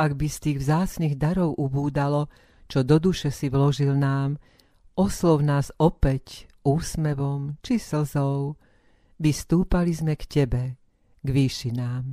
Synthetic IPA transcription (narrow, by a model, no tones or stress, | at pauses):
aɡbist̪iːɣvzaːt͡sniːɣd̪aɾɔʊʔubuːd̪alɔ | t͡ʃɔd̪ɔd̪uʃɛsiʋlɔʒilnaːm | ɔslɔʊnaːzɔpɛcuːsmɛʋɔmt͡ʃisl̩zɔʊ | ʋist̪uːpalizmɛkcɛbɛ | ɡʋiːʃinaːm